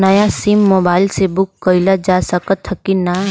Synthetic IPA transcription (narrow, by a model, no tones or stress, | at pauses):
nəjasimːoːbaːɪlsebʊkːəɪlad͡ʒasəkət̪ʰːkina